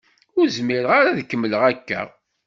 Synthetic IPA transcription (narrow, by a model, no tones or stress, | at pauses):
ʊɾzmiɾəʁaɾaðkːəmːələʁækːæ̰